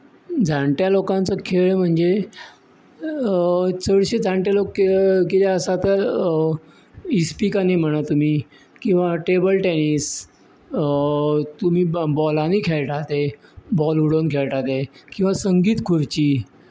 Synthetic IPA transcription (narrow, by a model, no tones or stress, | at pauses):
d͡zʱaɳʈ̪jalokãnt͡səkʰeɭm̤əɳd͡ze | t͡səɽɕed͡zʱaɳʈ̪jalokːekeleəsat̪əɾ | ispikanim̤əɽ̃at̪um̤iː | kĩw̃ʋaʈebəlʈɛniːs | t̪um̤iːbɔlaniːkʰeɭʈʰat̪ebɔluɽonkʰeɭʈat̪ekĩw̃ʋasəŋɡiːt̪kʰuɾt͡ɕiː